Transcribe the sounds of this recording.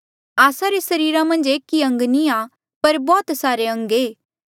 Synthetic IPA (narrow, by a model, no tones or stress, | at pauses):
aːsaɾesɐɾiːɾamɐ̃nd͡ʒeːkːiɐ̃ŋɡnia | pɐɾbɔːt̪saːɾeɐ̃ŋɡeː